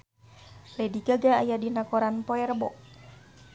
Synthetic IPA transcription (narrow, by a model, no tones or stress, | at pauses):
lɛdiɡaɡaːjadinakɔɾanpɔɛrbɔʔ